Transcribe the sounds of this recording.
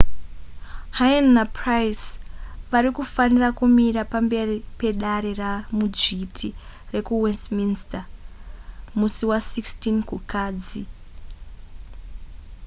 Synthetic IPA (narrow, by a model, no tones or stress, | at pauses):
hajanːaprajsʋaɾikufanirakumiɾapambe̞ripe̞ɗaɾe̞ramud͡ʒitʰire̞kuwestminsta | musiwasikstinkukaːd͡zi